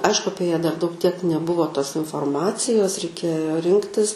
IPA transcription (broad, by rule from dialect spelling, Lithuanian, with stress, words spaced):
ˈɐɪʃkʊ ˈɑːpʲiɛ jæː dɐr dɐʊk tʲiɛk nʲɛˈbʊʋoː toːs ɪnfoːrˈmɑːt͡sʲɪjoːs rʲɛɪˈkʲeːjoː ˈrʲɪŋktʲɪs